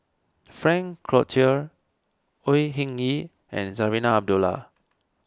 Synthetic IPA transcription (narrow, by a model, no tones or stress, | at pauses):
fɹɛ̃ŋkʰɹɔtʰiəɹ | ojɦĩŋi | ɛ̰̃nsavinaab̚dula̰